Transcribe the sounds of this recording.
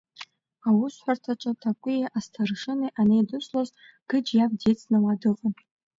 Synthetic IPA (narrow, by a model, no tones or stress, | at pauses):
awʊsħʷartʰaʈ͡ʂʼatʰakʷʼʊjaʔastʰarʂɨniʔanejdɨsʷloz | ɡ̥ɨd͡ʒjab̚det͡sʰʼnɨwadɨqʼan